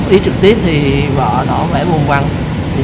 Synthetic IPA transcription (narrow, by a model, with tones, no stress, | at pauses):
ʔi˨˦t͡ɕɨ˨˩k̚t̪i˦˥əp̚t̪ʰi˨˩vɔ̰˧˨ɗɔ˨˦vɛː˧˥˦vu˧˩nkwa˧nʰ | i˨˩